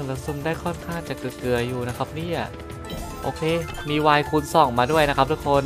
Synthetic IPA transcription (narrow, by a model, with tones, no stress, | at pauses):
ŋlaː˧˩su˧˩mdaː˥˩jkʰɔ˥˩nkʰaː˥˩ŋt͡ɕaː˨˩kɯ˨˩kɯ˨˩ɐjuː˨˩na˦˥kʰa˦˥p̚niː˥˩a˧˩ | ʔo̰ː˧kʰeː˧miː˧waː˧jkʰu˧nsɔ˨˩˦ŋmaː˧du˥˩əjna˦˥kʰa˦˥p̚t̪u˦˥kʰo˧n